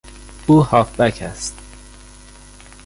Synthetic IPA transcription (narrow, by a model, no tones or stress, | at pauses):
uːhɒːfbæcʰæst̪